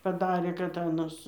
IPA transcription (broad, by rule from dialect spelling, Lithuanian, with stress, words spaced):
pɐˈdɑːrʲeː kɐt ˈɑːnɐs